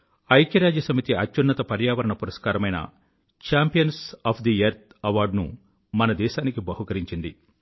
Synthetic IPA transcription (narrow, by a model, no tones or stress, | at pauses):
ɐjkjɐɾaːd͡ʒɐsɐmit̪iʔɐt͡ʃːunːɐt̪ɐpɐɾjaːʋɐɾɐɳɐpuɾɐskaːɾɐmɐjnɐ̰ | t͡ʃaːmpijɐnsaːpʰd̪ieɾt̪̚ʰ | ɐʋaːɾɖnṵ | mɐnɐd̪ɛːʃaːnikibɐɦukɐɾiɲt͡ʃind̪i